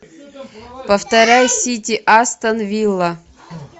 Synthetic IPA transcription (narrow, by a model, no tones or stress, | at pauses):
pəft̪ɐɾʲajsʲitʲiʔast̪ɐnvʲilˠːɐ